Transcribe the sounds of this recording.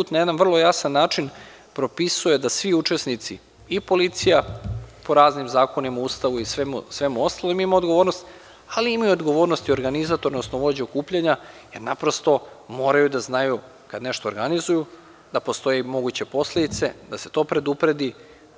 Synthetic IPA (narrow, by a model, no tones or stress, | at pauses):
put̪najed̪anʋr̩lˠo̞jasanːaːt͡ʃin | pɾo̞pisuje̞d̪asʋiut͡ʃe̞snit̪si | ipo̞lit̪sijapo̞ɾaːznimzaːko̞nimauːst̪aʋuisʋemusʋe̞muo̞st̪alimimaod̪ɡoʋoɾnost̪ | aliimajuod̪ɡo̞ʋo̞ːɾnost̪io̞ɾɡanizat̪oɾnosnoʋo̞d͡ʑeokuːpʎaɲaje̞ɾnapɾo̞st̪o̞mo̞ːɾajud̪aznaju | kad̪ne̞ʃt̪o̞ːɾɡanizuju | d̪apo̞st̪o̞jeimo̞ɡut͡ɕe̞po̞sle̞d̪it̪se̞d̪ase̞̥t̪o̞ːpɾe̞d̪upɾe̞d̪i